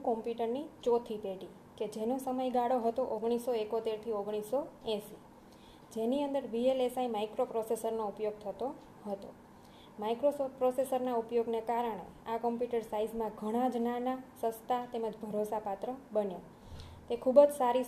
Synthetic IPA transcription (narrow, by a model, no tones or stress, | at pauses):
kɔmpjuʈəɾnit͡ʃɔt̪ʰipeɖi | ked͡ʒenosəməjɡaɽoɦət̪oʔoɡɽ̃isoekot̪eɾt̪ʰioɡɽ̃isoɛ̃si | d͡ʒeniənd̪əɾʋielesaimaikɾopɾosesəɾnoupjoɡ̚t̪ʰət̪o | ɦət̪o | maikɾosopɾosesəɾnaupjoɡnekaɾəɽ̃ḛakəmpjuʈəɾsaizmãɡʱəɽ̃ãd͡ʒnanasə̃st̪ʰat̪eməd͡ʒbʱəɾosapat̪ɾəbənja | t̪ekʰubd͡ʒsaɾi